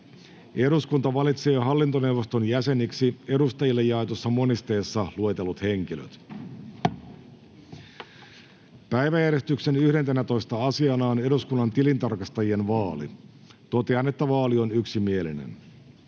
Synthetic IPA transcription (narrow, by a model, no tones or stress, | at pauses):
e̞ɾuskunt̪ɑʋɑlit̪se̞ːɦɑlːint̪o̞ne̞wʋost̪o̞njæse̞niksie̞ɾust̪ɑjilːejːɑet̪osːɑmo̞nist̪e̞ːsːɑlue̞t̪e̞lːut̪he̞ŋk̟ilø̰t̪ | pæjʋæjæɾjest̪ykse̞nyhɾe̞nt̪enæt̪o̞jst̪ɑɑsiɑnɑːne̞ɾuskunːɑnt̪ilint̪ɑrkɑst̪ɑjienʋɑːlḭ | t̪o̞t̪e̞ɑne̞t̪ːæʋɑːlionyksimie̞line̞̰n